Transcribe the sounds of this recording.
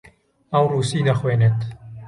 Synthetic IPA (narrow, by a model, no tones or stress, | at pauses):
ɐwruːsiːd̪ɐxweːneːt̪